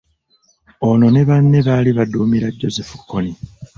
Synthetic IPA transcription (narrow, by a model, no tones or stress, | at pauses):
o̞no̞ne̞βanːe̞βaːliβaduːmiɾaɟːo̞ze̞fu̥kʰːoni